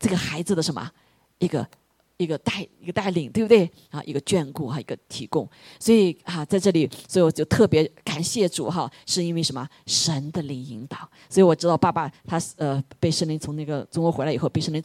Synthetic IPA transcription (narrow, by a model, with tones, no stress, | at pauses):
t͡sɤ˥˩ɡə˩xa˧˥ɪd͡zɹ̩˩d̪ə˩ʂə˧˥nmə̰˧ | i˥˩ɡə̰˧ | i˥˩ɡə˧t̪a˥˩ɪi˧˥ɡə˧t̪a˥˩ɪli˨˩ŋt̪wbt̪we˥˩ɪ | a̰˥˧˩ʔḭ˧˥ɡə˧t͡ɕɥɛ˥˧nku˥˩xa˥˩ḭ˧˥ɡə˧t̪ʰi˧˥kʊ˥˧ŋswɔ˧˥i˨˩ɐ˥˧t͡sa˥˧ɪʈ͡ʂɤ˥˩li˨˩swɔ˧˥i˧˩wɔ˨˩t͡ɕjo˥˧ʊt̪ʰɤ˥˩pjɛ˧˥ka˨˩nɕjɛ˥˩ʈ͡ʂṵ˨˩xɐ˥˧ʂɻ̩˥˩i˥nwe˥˩ɪʂə˧˥nmə˧ | ʂə˧˥nd̪ə˧li˧˩ŋi˧˥ŋt̪ɑ˨˩˦ʊswɔ˧˥i˧˥wɔ˨˩ʈ͡ʂɻ̩˥t̪ɑ˥˧ʊpa˥˧pa˥˧t̪ʰa˥ə˧pe˥˧ɪʂŋli˧˥ŋt͡sʰʊ˧˥ŋna˥˩ɡə˩t͡sʊ˥ŋwɔ˧˥xe˧˥lxo˥˧pe˥˧ɪʂə˥˩ŋli˧˥